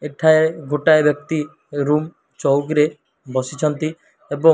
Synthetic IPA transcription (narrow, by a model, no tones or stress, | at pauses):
eʈʰaeɡʱoʈaebjɔk̚t̪i | ɾum | t͡ʃɔwɡɾe | bɔsit͡ʃʰɔnt̪i | ebɔ